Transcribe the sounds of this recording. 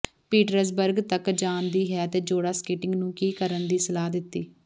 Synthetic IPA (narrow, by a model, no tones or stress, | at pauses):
piːʈɾəɾsbəɾɡt̪əkd͡ʒaːnd̪iːɦɛːt̪eːd͡ʒoːɽaːskiːʈɪŋɡnũːkiːkəɾənd̪iːsəlaːd̪ɪt̪ːiː